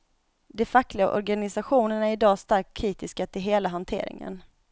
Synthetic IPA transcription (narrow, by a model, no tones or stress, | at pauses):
d̪ɛfakːlɪɡaʔɔ̰ɾɡanɪsaɧuːnəɳæɾɪd̪ɑːst̪aɾkʰːɾiːt̪ɪskat̪ʰɪlɦeːlaɦant̪ʰḛːɾɪ̰ŋə̰n